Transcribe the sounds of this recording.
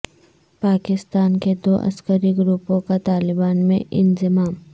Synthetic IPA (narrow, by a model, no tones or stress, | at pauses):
paːkɪst̪aːnked̪oːʔɐ̰skəɾiɡɾupõkat̪aːlɪbaːnmẽʔɪ̰nzɪmaːm